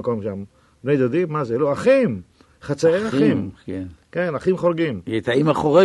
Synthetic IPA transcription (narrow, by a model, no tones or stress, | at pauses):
komʃam | bnejd̪od̪imːazeloaχim | χat͡saeaχimkenkenaχimχolɡimjet̪aimaχoʁe